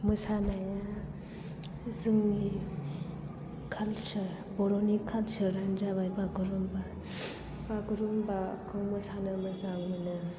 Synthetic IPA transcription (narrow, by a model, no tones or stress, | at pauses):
mɯsanaja | zɯŋni | kʰalsɯ | bɔɾɔnikʰalsɯɾand͡ʒaβajbaɡɯɾumba | baɡɯɾumbakʰɯwmɯsanɯmɯzaŋmɯnɯ